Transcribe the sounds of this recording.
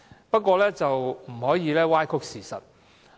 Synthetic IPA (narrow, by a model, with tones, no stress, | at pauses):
pɐ˥t̚kʷɔː˧lɛː˥t͡sɐ˨wm̩˨˩hɔː˨˥jiː˨˧lɛː˥waː˥jkʰʊ˥k̚siː˨˩sɐ̰˨t̚